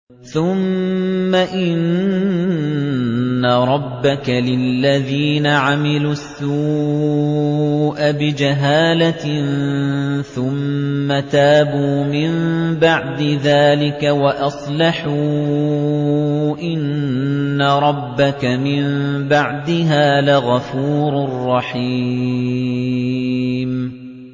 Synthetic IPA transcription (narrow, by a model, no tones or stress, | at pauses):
θʊmː | aʔɪn | aɾˤɑbːakalɪlːaðiːnaʕamɪluːsːuː | ʔabɪd͡ʒaɦaːla | θʊmːat̪aːbuːmɪmbaʕd̪ɪðaːlɪkawaʔɑsˤlɑħuː | ʔɪnː | aɾˤɑbːakamɪmbaʕd̪ɪɦaːlaɣafuːɾʊrˤːɑħi | m